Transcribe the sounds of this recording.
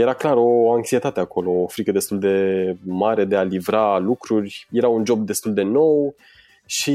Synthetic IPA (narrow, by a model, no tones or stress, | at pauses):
je̞ɾaklaɾo̞aŋksie̞t̪at̪eako̞lo̞ːfɾikəd̪e̞st̪uld̪e̞maɾe̞d̪e̞alivɾalukɾurʲje̞ɾaund͡ʒo̞b̚d̪e̞st̪uld̪e̞no̞w | ʃi